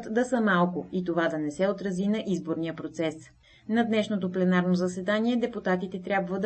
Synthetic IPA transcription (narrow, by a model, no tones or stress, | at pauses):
t̪d̪ɐsəmalˠkʊit̪ovad̪ɐnɛsɛot̪ɾɐzinɐʔizboɾnijəpɾot̪sɛs | nɐd̪nɛʃnot̪oplɛnaɾnozɐsɛd̪aniɛd̪ɛput̪at̪it̪ɛt̪ɾʲabvəd̪